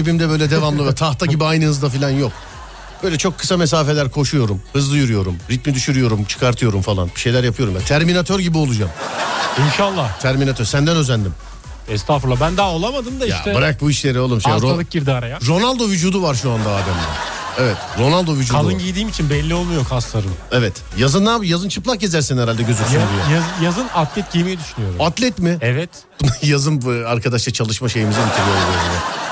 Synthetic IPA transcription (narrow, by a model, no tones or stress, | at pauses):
ibimd̪ɛbø̞jlʲɛd̪e̞vamlˠɯvɛt̪ʰaht̪ʰaɟibiajnɯhɯzd̪afilʲanjo̞k | b̥øjlʲɛt͡ʃʰo̞kʰːɯ̥same̞s̬aːfe̞lʲæɾkʰo̞ʃujo̞ɾumhɯzlˠɯjyɾujo̞ɾumɾit̪mid̪yʃyɾyjo̞ɾumt͡ʃʰɯ̥kʰaɾt̪ʰɯjo̞ɾumfalˠa̰nbiʃe̞jlʲæɾjapʰɯjo̞ɾumjat̪ʰæɾminat̪ʰøɾɟibiolˠud͡ʒaminʃalˠːaht̪ʰæɾminat̪øɾsænd̪ænø̞zænd̪im | ɛst̪ʰafuɾlˠabænd̪aːolˠamad̪ɯmd̪aiʃt̪ɛbaɾak̚buiʃlʲe̞ɾiolˠumʃeɾoalˠɯk̚ɟiɾd̪iaɾajaɾo̞nalˠd̪o̞vyd͡ʒuːd̪uvaɾʃuand̪aaːd̪æmd̪æ̰nevɛt̪ɾo̞nalˠd̪o̞vyd͡ʒuːalˠɯnɟijd̪iːmit͡ʃʰinbɛlʲːio̞lˠmujokhast̪ʰaɾɯmɛvɛt̪ | jazɯnːaːbjazɯnt͡ʃʰɯplˠak̚ɟe̞zæɾsænhɛɾalʲd̪ɛɟø̞zyyɾijaajazɯnat̪ʰlʲɛt̪̚ɟiemejɛd̪yʃynyjoɾat̪lʲɛt̪mɪɛvɛt̪ | bunajazɯnaɾkʰad̪aʃlˠat͡ʃʰalˠɯʃmaʃe̞jimizɛmit̪ʰiɾijolˠɾoɾna